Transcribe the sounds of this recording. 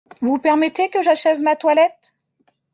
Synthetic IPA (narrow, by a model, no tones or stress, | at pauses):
vupɛʁmɛt̪ekəʒaʃɛvmat̪walɛt̪